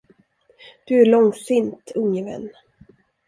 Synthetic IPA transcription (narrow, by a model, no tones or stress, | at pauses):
d̪̥ɵæɾɭɔŋsɪnt̪ʰɵŋːəvɛ̰nː